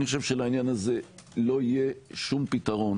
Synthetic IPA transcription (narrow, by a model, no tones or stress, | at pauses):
niχoʃevʃelainjanaze̞lo̞ije̞ʃumpitaʁo̞n